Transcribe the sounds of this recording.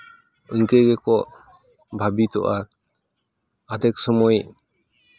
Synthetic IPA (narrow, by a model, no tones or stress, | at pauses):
ɯŋkeɡɛkɔʔ | bʱabit̪ɔ̰ʔa | ad̪ɛk̚sɔmɔj